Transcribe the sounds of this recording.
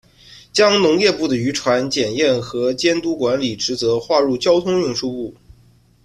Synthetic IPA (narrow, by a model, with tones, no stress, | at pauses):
t͡ɕjɑ˥ŋnʊ˧˥ŋjɛ˥˧pu˥˩d̪ə˩y˧˥ʈ͡ʂʰwa˧˥nt͡ɕjɛ˨˩njɛ˥˩nxɤ˧˥t͡ɕjɛ˥nt̪u˥kwa˧˥nli˨˩ʈ͡ʂɻ̩˧˥t͡sɤ˧˥xwa˥˧ɻu˥˩t͡ɕjɑ˥ʊt̪ʰʊ˥ŋjʊ˥˧ŋʂu˥˧u˥˩